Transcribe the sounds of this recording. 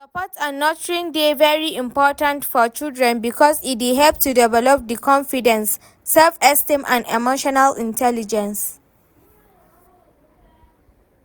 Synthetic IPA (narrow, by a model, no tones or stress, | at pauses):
səpɔtanɔtɹĩŋdevɛɹiĩmpɔtə̃ntfɔt͡ʃildɹɛ̃nbikʰɔsit̚diɦɛlp̚tudɛvɛlɔp̚dikʰɔ̃nfidə̃nsː | ɛlfɛstĩmʔã̰ndɛ̰moʃɔnalĩntʰɛlid͡ʒə̃ns